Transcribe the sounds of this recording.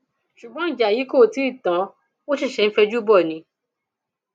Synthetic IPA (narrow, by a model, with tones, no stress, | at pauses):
ʃu˨ɡ͡bɔ̃˨˦˨d͡ʒa˨ji˨˦ko˦˨ti˨˦i˦˨tã˨˦ | wo˦ʃi˦˨ʃɛ˧n̩˦fɛ˧d͡ʒu˦bɔ˦˨nĩ˨˧˦